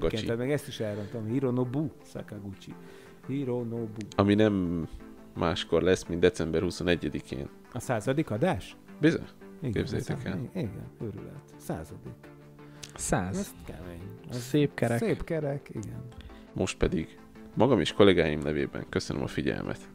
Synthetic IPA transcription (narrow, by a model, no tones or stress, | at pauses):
ɡɒnaːt̪mɛɡɛst̪iʃɛlront̪omhiɾonobusɒ̰kɑɡut͡ʃḭ | hiɾonobuɒminɛmː | aːʃko̞rlɛsmind̪ɛtsɛmbɛrhusonɛɟːɛd̪ikʰḛːn | ɒsaːzɒd̪ikɒd̪aːʃbizø̰iɡbzɛjt̪ɛɛliɡɛ̰nøɾy̰lø̰t̪sa̰ːzɒd̪ik | saːzɛskɛ̰meːɲzeːp̚kɛɾɛseːpkɛɾɛkiɡɛn | mo̞ʃt̪̚pɛd̪iɡ | mɒɡɒmeːʃko̞lɛɡaːjimnɛveːbɛ̰ŋkøsønø̰mɒ̰fiɟɛ̰lmʔɛ̰t̪